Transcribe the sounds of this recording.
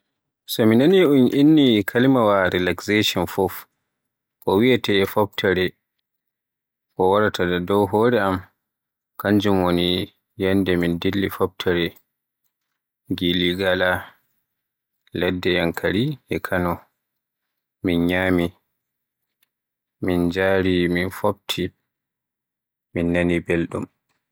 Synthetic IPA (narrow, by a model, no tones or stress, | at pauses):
sɔminaniʔunʔinːikʰalimawaɾilakseʃɔnfɔf | ʔɔwiatɛːfɔp̚tʰaɾɛ | kɔwaɾatʰadadɔwɦɔːɾɛam | kaɲd͡ʒumwoni | jandɛmindilːifɔb̚tʰaɾɛ | ɡiliɡala | lɛdːɛjaŋkʰaɾiʔɛkʰanɔ | minɲaːmi | mind͡ʒaɾiminfob̚tʰi | minːanibelɗṵm